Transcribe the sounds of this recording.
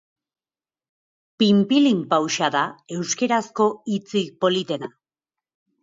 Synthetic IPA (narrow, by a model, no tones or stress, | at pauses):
pimpilimpawʃaðae̞wske̞ɾasko̞it͡sipo̞lit̪e̞na